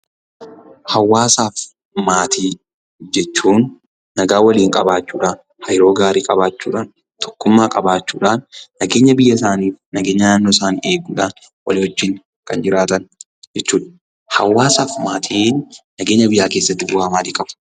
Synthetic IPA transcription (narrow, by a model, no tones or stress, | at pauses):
hɐwːaːsaːf | maːt̪ʰiː | d͡ʒɛt͡ʃːuːnː | ɐɡaːwɐliːŋkʼɐbaːt͡ʃːuːᶑaːn | hɐjɪɾo̞ːɡaːɾiːkʼɐbaːt͡ʃːuːᶑaːn | t̪ʰɔ̥kːʊmːaːkʼɐbaːt͡ʃːuːᶑaːnːɐɡe̞ːɲːɐbɪjːɐɪsaːniːfnɐɡeːɲːɐnaːnːosaːniːeːɡuːᶑaːn | wɐ̰liːhɔd͡ʒːɪŋ | kɐnd͡ʒɪɾaːt̪ɐn | d͡ʒɛt͡ʃːuːᶑɐ̥ | hɐ̰wːaːsaːfmaːt̪ʰiːnː | ɐɡeːɲːɐbɪjaːkeːsːɐd̪ʊbaːmaːt̪iːkʼɐb̥ɐ̥